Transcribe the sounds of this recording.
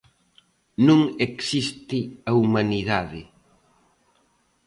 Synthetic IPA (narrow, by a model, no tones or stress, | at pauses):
nũŋeksist̪ɪaumaniðaðɪ